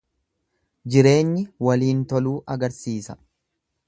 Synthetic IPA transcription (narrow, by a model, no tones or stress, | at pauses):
d͡ʒɪɾe̞ːɲːɪwɐliːnt̪ɔluːʔɐɡɐɾsiːsɐ̥